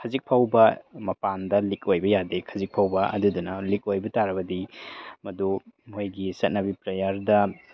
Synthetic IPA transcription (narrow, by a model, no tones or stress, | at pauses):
kʰɐzik̚pʰawbɐmɐpandɐlikojbɐjadekʰɐzik̚pʰawbɐɐ̰dudunɐlik̚ojbɐtaɾɐbɐdimɐdumojɡisɐt̚nɐbipɾɐjaɾdɐ